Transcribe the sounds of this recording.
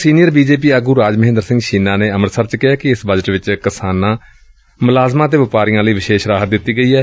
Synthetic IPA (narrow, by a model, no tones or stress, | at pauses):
siːnɪjəɾbiːd͡ʒeːp̬iːəɡuːɾaːd͡ʒməɦẽnd̪əɾsɪ̃ŋɡʃiːnãːneːəməɾsəɾt͡ʃkɪɦaːkɪɪsbəd͡ʒəʈʋɪt͡ʃkɪsaːnãː | mʊlaːzmãːt̪̬eːʋɪpaːɾijãːləiːʋɪʃeːʃɾaːɦət̪̚d̪ɪt̪ːiːɡəiːɛː